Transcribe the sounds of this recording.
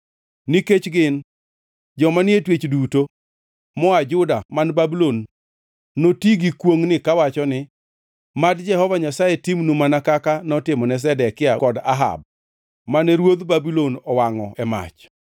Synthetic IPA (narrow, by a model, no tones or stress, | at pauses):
niket͡ʃɡɪn | d͡ʒɔmanɪetwet͡ʃduto | mɔad͡ʒʊdamanbabilonː | otiɡikwoŋnɪkawat͡ʃɔnɪ | madd͡ʒɛɦɔvaɲasajetimnumanakakanɔtɪmɔnɛs̬ɛdɛkɪakɔda̰ɦa̰b̚ | manɛɾwod̪babilonɔwaŋɔʔɛma̰t͡ʃ